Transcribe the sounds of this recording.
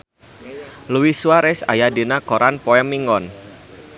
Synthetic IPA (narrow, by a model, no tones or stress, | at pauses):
luwiswaɾɛsa̰jadenakɔɾanpɔɛmːiŋɔn